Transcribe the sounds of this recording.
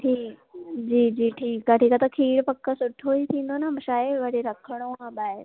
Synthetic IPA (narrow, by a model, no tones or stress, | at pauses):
ʈʰiːkd͡ʑiːd͡ʑiːʈʰiːkaʈʰiːkat̪ɐkʰiːɽpɐkːəsʊʈʰoit̪ʰĩːn̆d̪onamɐʃaːeʋɐɽ̤eɾɐkʰəɽ̃oãɓaːɪɾ